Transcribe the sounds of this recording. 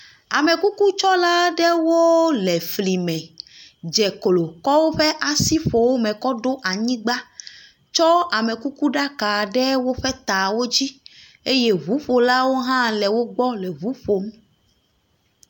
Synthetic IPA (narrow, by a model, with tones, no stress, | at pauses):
a˨mɛ˨ku˦ku˦t͡ʃɔ˦la˦ɖɛ˦wo˦lɛ˨fli˨mɛ̃˨d͡ʒɛ˨klo˨kɔ˦wo˦ɸɛ˦ʔa˨si˦ɸo˨wo˦mɛ̃˨kɔ˦ɖo˦ʔa˨ɲĩ˦ɡ͡ba˦ | t͡ʃɔ˦a˨mɛ˨ku˦ku˦ɖa˦ka˨ɖɛ˦wo˦ɸɛ˦t̪a˨wo˦d͡ʑi˦ | e˦je˦βu˨˦ɸo˨la˦wo˦ɦã˦lɛ˨wo˦ɡ͡bɔ˦lɛ˨βu˦ɸo˨m˦